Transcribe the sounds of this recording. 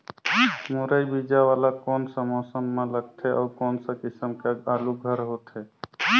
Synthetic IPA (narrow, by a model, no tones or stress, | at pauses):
moɾəjbid͡ʒawaːlakɔːnsə̃mɔsəmːẽləɡ̚t̪ʰeʔɔːkɔːnsə̃kɪsəmkeaːluɡʱəɾɦoːt̪ʰe